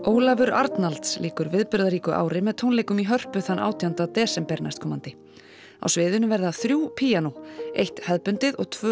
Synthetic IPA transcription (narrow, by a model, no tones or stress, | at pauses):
oːwlavʏɾa̰ɾt̪nalt̪slʔiːkʏɾvɪðpʏɾðaɾiːkʏʔa̰ːwɾɪmɛðt̪ʰownlejkʏmiɦœr̥pʏθanʔa̰ːwt̪ʰjant̪at̪ɛːsɛmpɛɾna̰jst̪kʰɔmːant̪ɪ | a̰wsvɪːðʏnʏvɛɾðaθɾjuːpʰiːjanowejht̪hɛðpʏnt̪ɪðɔɣt̪ʰvœ